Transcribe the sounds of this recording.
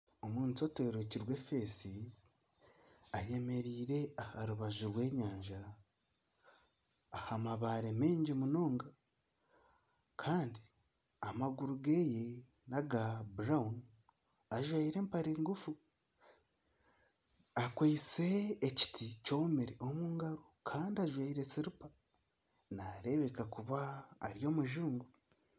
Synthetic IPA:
o̞muːntoteɾociɾwe̞fesi | aje̞me̞ɾiːɾe̞ahaɾuβazuɾwe̞ːɲaːɲʒa | hamaβaɾeme̞ːɲɟimuno̞ːŋɡa | kʰaːndi | amaɡuɾuɡeje | naɡabuɾaun | aʒwaiɾe̞ːmpaɾiːŋɡufu | akwait͡se̞ːci̥tʰico̞meɾeʔo̞muːŋɡaɾokʰaːndiaʒwaiɾesiɾupa | naɾe̞βekakuβaːɾjo̞ːmuʒuːŋɡu

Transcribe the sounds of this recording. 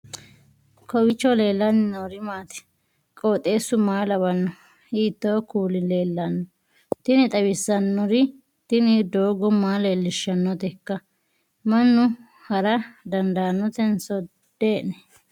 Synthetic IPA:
kɔwɪt͡ʃːɔle̞ːlːɐnːɪnːɔɾɪmaːt̪ɛ̥ | kʼoːt̪ʼe̞ːsːʊmaːlɐβɐnːɔ | hiːt̪ːowkuːlɪleːlːɐnːɔ | t̪ɪnɪt̪ʼɐwɪsːɐnːɔɾɪ | t̪ɪnɪd̪oːɡɔmaːle̞ːlːɪʃːɐnːɔt̪ɛkːɐ | mɐnːʊ | hɐɾɐd̪ɐnd̪anːɔt̪ɛnsɔ | d̪̥eːʔnɛ

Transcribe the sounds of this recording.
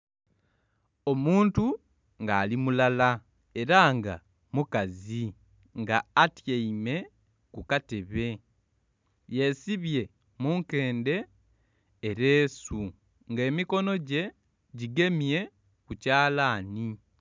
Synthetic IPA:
o̞muːntu | ŋɡaːlimulala | e̞ɾaŋɡa̰ | mukazi | ŋɡaːtjeime̞ | kukate̞βe̞ | je̞siβje̞ | muːŋke̞ːnde̞ː | ɾe̞ːsu | ŋɡe̞ːmiko̞no̞ɟe̞ | ɟiɡe̞mje̞ | kucaːlaːni

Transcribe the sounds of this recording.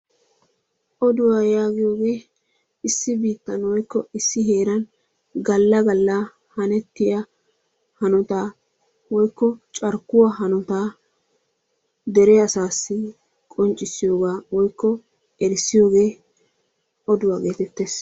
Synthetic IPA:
ʔɔd̪ʊwaːjaːɡɪjo̞ːɡe̞ː | ɪsːɪbiːt̪ːɐnwɔjkːɔɪsːɪɦe̞ːɾɐn | ɡɐlːɐɡɐlːa | hɐnɛt̪ːɪjɐ | hɐnʊt̪aː | wɔjkːɔt͡ʃʼɐɾkːʊwaɦɐnʊt̪aː | d̪ɛɾɛɐsaːsːɪ | kʼɔnt͡ʃʼːɪsːɪjo̞ːɡaːwɔjkːɔ | ɛɾɪsːɪjo̞ːɡe̞ː | ɔd̪ʊwaːɡe̞ːt̪ɛt̪ːe̞ːs

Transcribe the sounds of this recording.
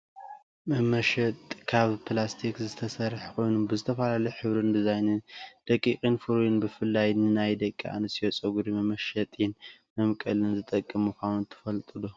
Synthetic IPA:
mɐmɐʃɐt̪ʼkʰaβpʰlast̪ʰikzɨt̪ʰɐsɐɾħkʰo̞jnubɨzɨt̪ʰɐfɐlalɐjħɨβɾɨnd̪izajnɨnd̪̥ɐkʼːikʼinfɨɾjunbɨfɨlːajnɨnajd̪ɐkʼːḭʔa̰nɨsot͡sʼɐɡuɾimɐmɐʃɐt̪ʼjɪnmɐmkʼɐlɨnzɨt̪ʼɐkʼːɨmːɨkʰawunt̪ʰɨ̥fɐlt̪ʼɨlu

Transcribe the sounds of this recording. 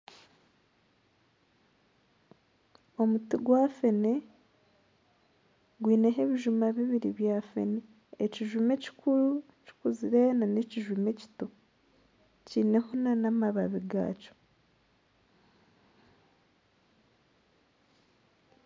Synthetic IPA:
o̞mutiɡwafe̞ne | ɡwiːne̞ɦe̞βiʒumaβiβiɾiβjaːfe̞̰ne | eciʒume̞ci̥kuɾu | ci̥kuziɾenaneciʒume̞ci̥to | ciːne̞honanamaβaβiɡa̰ːco̥

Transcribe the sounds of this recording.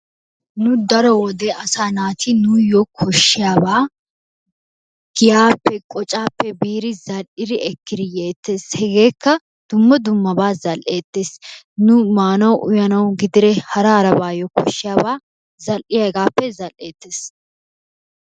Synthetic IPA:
nʊd̪ɐɾɔwɔd̪eːɐsaːnaːt̪ɪnʊjɔkʰɔʃːɪjaːbaː | ɡ̥ɪjaːpːɛkʼɔt͡ʃʼaːpːɛbiːɾɪzɐlʔɪɾɪɛkːɪɾɪjeːt̪ːe̞ːshɛɡe̞ːkːɐ | d̪̥ʊmːɐd̪ʊmːɐbaːzɐlʔe̞ːt̪ːe̞ːs | nʊmaːnɐwʔʊjɐnɐwɡɪd̪ɪɾɛhɐɾɐɾɐbaːjɔkʰɔʃːɪjaːbaː | zɐlʔɪjɐɡaːpːɛzɐlʔeːt̪ːeːs

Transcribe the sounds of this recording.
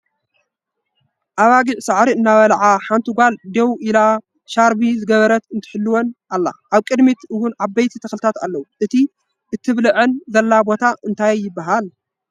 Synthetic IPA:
ʔaβaɡiʕsaʕɾiɨnːaβɐlʕaħant̪ʰɨɡʷald̪ewʔila | ʃaɾbizɨɡɐβɐɾɐt̪ɨnt̪ʰɨ̥ħɨlːuwonʔalːa̰ʔaβkʼɨd̪mit̪ʔɨwʊnʕabɐjt̪ʰit̪ʰɐxlɨt̪ʰat̪a̰lːɐwuʔɨt̪ʰi | ʔɨt̪ʰːɨβlɨʕɨnzɐlːabo̞t̪ʰaʔɨnt̪ʰajjːɪbːaɦal

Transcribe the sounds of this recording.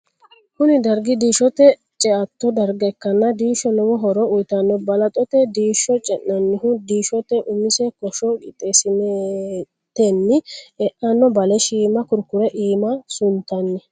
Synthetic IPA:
kʊnɪd̪ɐɾɡɪd̪iːʃɔt̪ɛ | t͡ʃʼɛɐt̪ːɔd̪ɐɾɡɛkːɐnːɐd̪iːʃɔnɔwɔɦɔɾɔʊjt̪ɐnːɔbɐlɐt̪ʼɔt̪ɛd̪iːʃɔt͡ʃʼɛnːɐnːɪhʊd̪iːʃɔt̪ːɛʔʊmɪsɛkɔʃɔɡɪ̰t̪ʼːesɪne | t̪ɛnːɪɛʔɐnːɔbɐlɛʃiːmɐkʊɾkːʊɾɛʔiːmɐsʊnt̪ːɐnːɛ

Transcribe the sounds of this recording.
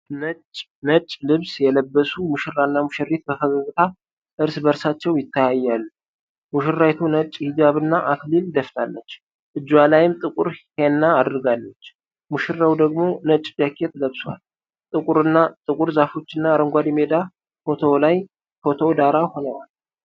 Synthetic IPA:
nət͡ʃʼ | nət͡ʃʼːlɨβsjɛləbːəsumuʃɪrːanːamuʃɪrːit̪̚bəfəɡaɡɨt̪ʰa | ʔɨɾsbəɾsat͡ʃːɛwjɪt̪ʰːajajːalːu | muʃɪrːajt̪ʰunət͡ʃʼhid͡ʒaβɨnːaʔaklild̪əft̪ʰalːət͡ʃː | ʔɨd͡ʒːwalajɪmt̪ʼɨkʼuɾhenːaːd̪ɨɾɡalːət͡ʃː | muʃɪrːawd̪əɡmo̞nət͡ʃʼːd͡ʒakʰːet̪ʰːləβswa̰l | t̪ʼɨkʼuɾɨnːat̪ʼɨkʼuɾzafo̞t͡ʃːɨnːaːɾəŋɡʷad̪med̪a | fo̞t̪ʰo̞laj | fo̞t̪ʰo̞d̪aɾaho̞nəwal

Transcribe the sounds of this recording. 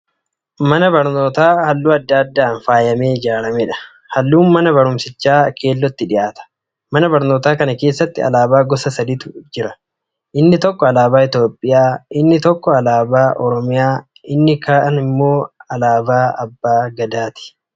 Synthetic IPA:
mɐnɐbɐɾno̞ːt̪aːhɐlːuːɐd̪ːɐɐd̪ːaːnfaːjɐmeːɪd͡ʒaːɾɐmɛᶑɐ̥ | hɐlːuːnmɐnɐbɐɾʊmsɪt͡ʃːaːkʰe̞ːlːɔt̪ːɪᶑɪʔaːt̪ɐ̥ | mɐnɐbɐɾno̞ːt̪aːkɐnɐke̞ːsːɐt̪ːɪɐ̰laːbaːɡɔsɐsɐd̪ɪt̪ʊ̥d͡ʒɪɾɐ | ʔɪnːɪt̪ɔkːɔɐlaːbaːɪt̪joːpʼːɪjaːʔɪnːɪt̪ɔkːɔɐlaːbaːʔɔɾɔmɪjaː | ʔɪnːɪkʰaːʔɐnɪmːo̞ːɐlaːbaːɐbːaːɡɐd̪aːt̪ɪ̥

